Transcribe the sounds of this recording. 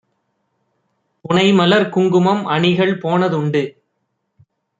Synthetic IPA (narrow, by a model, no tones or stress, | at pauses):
pʊɳɐɪmɐlɐɾkʊŋɡɯmɐmɐɳɪɣɐɭpoːnɐðʊɳɖɯ